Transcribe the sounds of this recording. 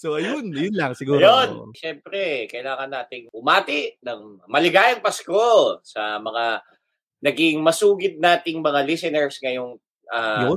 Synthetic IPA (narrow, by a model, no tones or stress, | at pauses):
soʔɐjonjʊnlɐŋsɪɡuːjonʃɛmpɾɛkɐʔɪlaːŋɐnːaːt̪ɪŋʔʊmaːt̪ɪʔnɐŋmɐlɪɡaːjɐŋpɐsko̞sɐmɐŋa | nɐɡɪŋmɐsuːɡɪd̪̚naːt̪ɪŋmɐŋalisɛnɛɹsŋɐjoŋ | ʔaːo